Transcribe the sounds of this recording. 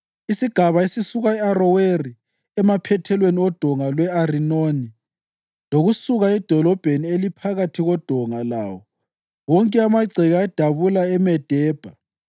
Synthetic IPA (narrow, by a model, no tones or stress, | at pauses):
isiɡ̥ʱaβaesisuɣaɛarɔweri | ɛmapʰɛtʰɛlweniɔd̥ʱɔŋalwɛarinoni | loɣusuɣaɛd̥ʱɔlɔb̥ʱenielipʰaɣatʰiɣɔd̥ʱɔŋala̰wɔ | woŋkʼɛamaɡ͡ǀʱɛɣaɛd̥ʱaβulaɛmɛd̥ʱɛːb̥ʱa